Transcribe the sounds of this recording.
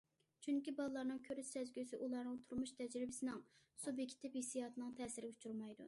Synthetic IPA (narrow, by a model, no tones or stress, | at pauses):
t͡ʃʰyŋkʲibɑlˠəlˠɑɾnɨŋkʲʰøɾyʃsɛzɡʲysɪʔulˠɑɾnɨŋt̪ʰuɾmuʃt̪ʰɛd͡ʒɾɪbɪsɪnɪŋ | subjekʲʰːt̪ʰɪphesijɑːt̪ʰɨnɨŋt̪ʰɛːsɪɾɪɡʲɛut͡ʃʰuɾmɑjd̪ṵ